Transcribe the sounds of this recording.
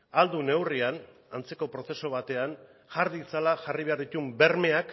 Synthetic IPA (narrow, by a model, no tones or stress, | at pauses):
ald̪une̞wrian | ant͡se̞ko̞pɾo̞θe̞so̞β̞at̪e̞an | ʝaɾðit͡salaʝariβe̞aɾðit̪umbe̞ɾme̞ak